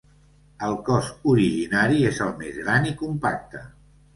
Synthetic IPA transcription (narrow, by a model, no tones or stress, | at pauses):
əlˠkɔzuɾiʒinaɾiezəlˠmezɣɾanikumpak̚t̪ə